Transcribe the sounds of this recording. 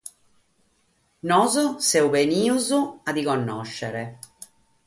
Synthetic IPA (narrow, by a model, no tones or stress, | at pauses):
nɔzosɛubeniːuzʊad̪ikonːɔʃːeɾe